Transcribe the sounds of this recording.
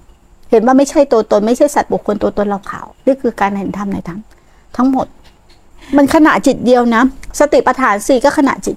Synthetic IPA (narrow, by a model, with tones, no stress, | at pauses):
he˩˦nwaː˥˩ma˥˩jt͡ɕʰa˥˩jt̪u˧t̪o˧nma˥˩jt͡ɕʰa˥˩jsa˨˩t̪̚bu˨˩kʰːo˧nt̪u˧t̪o˧nla˧wkʰa̰˨˩˦wniː˥˩kʰɯː˧kaː˧nʔnt̪ʰa˧mna˧jt̪ʰa˦˥ŋ | t̪ʰa˦˥ŋmo˨˩t̪̚ | ma˧nkʰa˧na̰˨˩ʔt͡ɕi˨˩t̪̚di˧əwna˦˥sa˧t̪i˨˩pa˧t̪ʰaː˩˦nsiː˨˩kɔː˥˩kʰa˧na̰˨˩t͡ɕi˨˩t̪̚